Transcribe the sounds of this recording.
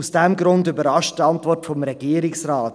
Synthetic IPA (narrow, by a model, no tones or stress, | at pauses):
usd̥ɛmɡɾʊndybəɾɑʃttɑntvɔrtfɔmɾɛɡiːəɾɪksɾaːt